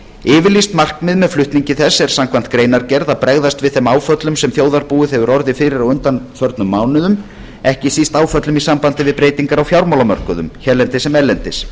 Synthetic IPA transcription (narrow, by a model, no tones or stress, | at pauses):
ɪːvɪɾlist̪mar̥kmɪðmɛðflʏht̪niɲcɪθɛsːɛɾ̥samkʰvan̥t̪kɾeːjnaɾcɛɾðapɾɛɣðast̪vɪðθɛmaːwfœt̪lʏmsɛmθjoːwðaɾpuɪɛvʏɾɔɾðɪfɪːɾɪɾawʏnt̪anfœɾt̪nʏmːaːwnʏðʏm | ɛhcɪsist̪aːwfœt̪lʏmisampant̪ɪvɪðpɾeːjt̪iŋkaɾawfjawɾmawlamœr̥kʏðʏ̰mçɛɾlɛnt̪ɪsɛmɛlɛnt̪ɪs